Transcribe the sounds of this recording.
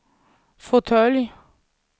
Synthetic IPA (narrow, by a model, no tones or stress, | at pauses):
fʊt̪ʰœlj